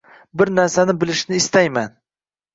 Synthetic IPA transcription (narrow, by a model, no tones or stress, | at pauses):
bɪɾnaɾsanɪbɪlɪʃnɪːst̪ajman